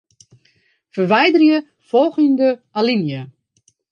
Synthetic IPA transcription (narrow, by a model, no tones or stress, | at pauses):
fərʋɛjdərjə | fɔlˠɣəndəalinjə